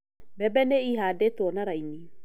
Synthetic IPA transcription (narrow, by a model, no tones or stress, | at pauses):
bɛbɛneiɦaːdetwɔnaɾaini